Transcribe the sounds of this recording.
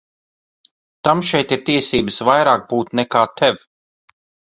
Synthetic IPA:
t̪amʃɛjt̪iɾt̪iɛsiːbəsvajɾaːk̚buːt̪nɛkaːt̪ʰɛvʲ

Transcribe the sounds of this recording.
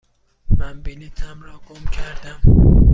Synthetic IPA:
mænbelit̪ʰæmɾɒːɡomcʰæɾd̪æm

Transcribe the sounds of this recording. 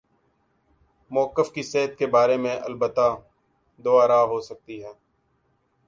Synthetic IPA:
mʊəkːəfkiseːɦət̪̚kebaːɾemẽʔɐ̰lbət̪ːa | d̪ʊaːɾaɦosək̚t̪iɦɛː

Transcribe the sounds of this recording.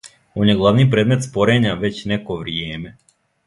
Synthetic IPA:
onjɛɡlˠaʋnip̬ɾed̪met̪spoɾeɲaʋet͡ɕnɛkoʋɾjɛːmɛ

